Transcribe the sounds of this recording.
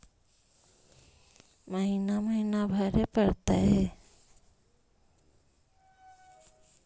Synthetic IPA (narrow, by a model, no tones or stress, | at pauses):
məɦinaməɦinabʱəɾepəɾt̪aɦɛ